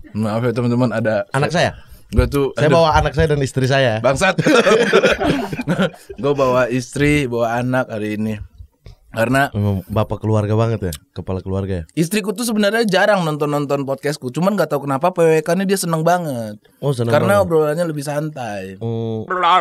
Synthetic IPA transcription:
mafɛt̪əmt̪umanadaanaksajaɡuat̪usajabawaanak̚sajadanist̪ɾis̬ajabaŋsat̪ | ɡuabawaist̪ɾibawaːnak̚ɦaɾiːni | karənamabapakəluarɡabaŋət̪jakəpalakəluarɡajais̬t̪ɾik̬ut̪us̬əbənarɲad͡ʒaɾaŋnɔnt̪ɔnːɔnt̪ɔnpɔt̪̚kɛskut͡ʃumanŋɡaʔt̪aukənapapewekanidiasənəŋbaŋət̪̚ | ɔsənəkaɾənabəɾolaɲaləbɪhsant̪aj | a

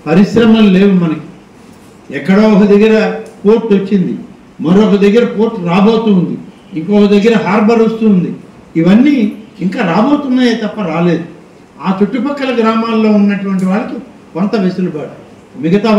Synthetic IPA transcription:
pɐɾiʃɾɐmɐmle̞ːwumɐnɐki̥ | ɛkːɐɽɐɔkɐd̪ɐɡːɐɾɐpo̞ːɾʈot͡ʃːind̪ḭ | mɐɾoːkɐd̪ɐɡːɐɾɐpo̞ːɾʈɾaːbo̞ːt̪uːnd̪ḭ | iŋkoːkɐd̪ɐɡːɐɾɐɦaːɾbʱɐɾost̪uːnd̪i | iʋɐnːiːiŋkaːɾaːbo̞ːt̪und̪aːjeːt̪ɐpːɐɾaːle̞ːd̪u | aːt͡ʃuʈːupɐkːɐlɐɡɾaːmaːlːo̞ːunːɐʈuʋɐɳʈiʋaːɭɐki | kont̪ɐʋesɐlubaːɽɐ | miɡɐt̪aː

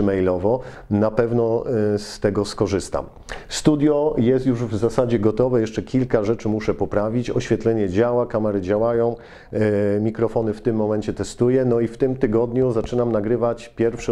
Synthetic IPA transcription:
mɛjlɔvɔ | napɛvnɔst̪ɛɡɔskɔʐɘst̪a̰m | st̪ud̪ʲjɔjɛst̪juʐvzasad͡ʑɛɡɔt̪ɔvɛjɛʂt͡ʂɛkʲilkaʐɛt͡ʂɘmuʂɛpɔpɾavʲit͡ɕɔɕfʲjɛt̪lɛɲɛd͡ʑawakamɛɾɘd͡ʑawajɔ̃w̃ | mʲikɾɔfɔnɘft̪ɘmːɔmɛnt͡ɕɛt̪ɛst̪ujɛnɔift̪ɘmt̪ɘɡɔd̪ɲuzat͡ʂɘnamnaɡɾɘvat͡ɕpʲjɛɾfʂɛ

